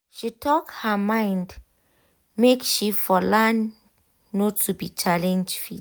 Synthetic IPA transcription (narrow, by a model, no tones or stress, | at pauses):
ʃitʰɔkhəmãɪ̃nd | mekʃifɔlãnː | otʰubit͡ʃalɛ̃nd͡ʒfḭ